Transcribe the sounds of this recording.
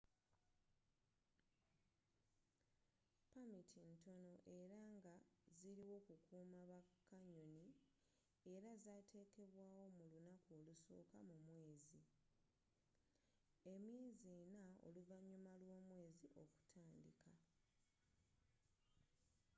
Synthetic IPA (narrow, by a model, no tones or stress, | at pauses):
pamitʰinto̞no̞ʔe̞ɾaŋɡaziɾiwo̞ːkukuːmaβakːaɲo̞ni | e̞ɾazaːtʰe̞ːke̞βwaːwo̞mulunako̞ːluso̞̰ːkamumwe̞ːzi | e̞mje̞ːzienao̞̰luvaɲːumalwo̞ːmwe̞ːziʔo̞ku̥tʰaːndikʰa